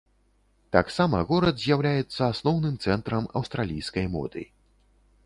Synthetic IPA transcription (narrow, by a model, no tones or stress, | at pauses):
t̪aksamɐɣɔɾɐd̪zʲjawlʲajɛt̪sːɐasnɔwnɨmt̪sɛnt̪ɾɐmɐ̰wst̪ɾalʲijskɐjmɔ̰d̪ɨ̰